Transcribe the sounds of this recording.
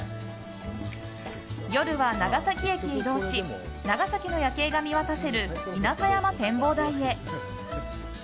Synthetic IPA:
jo̞ɾɯ̟βanaɡasakʲiekʲieid̪o̞ːɕinaɡasakʲino̞jake̞ːɡamʲiβat̪ase̞ɾɯ̟inasajamat̪ẽ̞mbo̞ːd̪aie̞

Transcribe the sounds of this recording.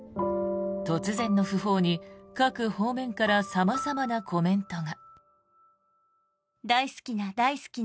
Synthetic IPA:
t̪o̞t͡sɨzẽ̞nːo̞ɸɯ̟ɦo̞ːɲ̟ikakɯ̟ho̞ːmẽ̞ŋkaɾasamazamanakʰo̞mẽ̞nt̪o̞ŋa | d̪aisɨ̥kʲinad̪aisɨ̥kʲi

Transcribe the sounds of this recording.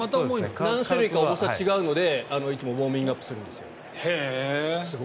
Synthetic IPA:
mat̪amonãɰ̃ɕɨɾɯ̟ikaoosβat͡ɕiɡaɯ̟no̞d̪e̞ano̞it͡sɨmo̞bo̞ːmʲĩŋɡɯapːɯ̥sɨɾɯ̟̃nd̪e̞sɨjo̞̰ | hes

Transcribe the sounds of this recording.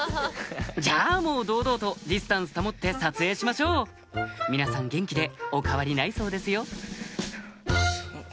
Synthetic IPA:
d͡ʑaːmo̞ːd̪o̞ːd̪o̞ːt̪o̞d̪ʲisɨ̥t̪ãɰ̃sɨ̥t̪amo̞t̪ːe̞sat͡sɨe̞ːɕimaɕo̞ː | mʲinasãŋɡẽ̞ŋkʲid̪e̞o̞kaβaɾʲinaiso̞ːd̪e̞sɨjo̞

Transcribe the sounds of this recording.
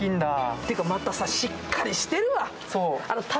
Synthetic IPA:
ĩnd̪at̪ejɯ̟kamat̪asaɕikːaɾʲiɕi̥t̪e̞ɾɯ̟βa | soːanot̪ʰa

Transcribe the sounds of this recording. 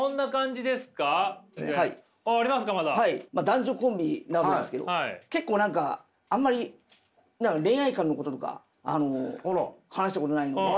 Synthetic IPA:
õnːakãɲ̟d͡ʑid̪e̞sɨ̥kahaḭː | ɾʲimasɨ̥kamad̪ahaimad̪ãɲ̟d͡ʑo̞ːkõ̞mbʲinaβakedesɨ̥ke̞d̪oaike̞kːo̞ːnãŋka | ãmːaɾʲi | nãŋkaɾẽ̞ɰ̃aikãnːoko̞t̪ot̪o̞ka̰ | a̰no | hanaɕit̪ekot̪onaino

